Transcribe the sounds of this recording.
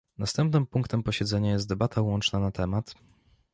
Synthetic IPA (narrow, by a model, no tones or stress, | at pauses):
nast̪ɛmpnɘmpuŋkt̪ɛmpɔɕɛd̪zɛɲajɛst̪̚d̪ɛbat̪ʰawɔnt͡ʂnanat̪ɛmat̪